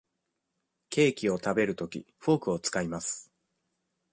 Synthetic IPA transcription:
kʰe̞ːkʲio̞t̪abe̞ɾɯ̟t̪o̞kʲḭɸo̞ːkɯ̟o̞t͡sɨ̥kaimasɨ̥

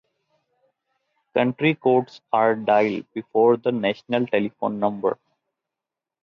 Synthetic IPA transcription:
kʌ̃ɳʈɾikoːʈsaːɾɖaɪlbɪfoːɾd̪ənæʃnəlʈelifõ̰ːnːʌ̃mbə̰ɾ

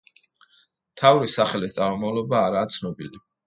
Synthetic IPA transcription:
mt̪ʰavɾisaχɛlist̪sʼaɾmumavlˠɔbaːɾaːt̪sʰnɔbili

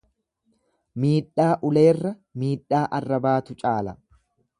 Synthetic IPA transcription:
miːᶑːaːʔʊle̞ːrːɐ | miːᶑaːʔɐrːɐbaːt̪ʊt͡ʃʼaːlɐ

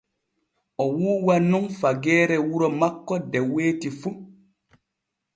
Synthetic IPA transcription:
ɔwuːwanuŋfaɡɛːɾɛwuɾɔmakːɔdɛweːtifu

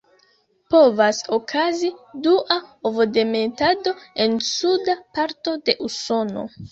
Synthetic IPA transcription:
po̞vaso̞kʰaziduʔaovode̞metado̞e̞nsudapaɾto̞de̞ʔuso̞no̞̰

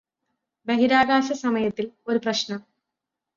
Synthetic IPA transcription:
beɦiɾaːɡaːɕɐsɐmɐjɐt̪ːilo̞ɾuprɐɕnɐ

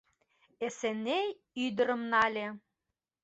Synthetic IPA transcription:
esenːej | yd̪əɾə̆mnɑlʲe

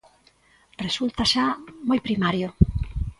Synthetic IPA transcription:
result̪aʃamojpɾimaɾjo

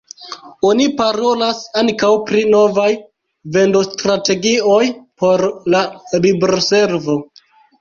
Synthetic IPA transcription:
o̞nipaɾo̞lasaŋkawpɾino̞vaj | ve̞ndostɾate̞ɡio̞jpo̞ɾlalibɾose̞ɾvo̞

